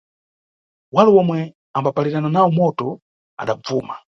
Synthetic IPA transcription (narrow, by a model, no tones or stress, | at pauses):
walɛwɔmwɛ | ambapaliɾananawɔmɔtɔ | a̰ɗab͡vuːma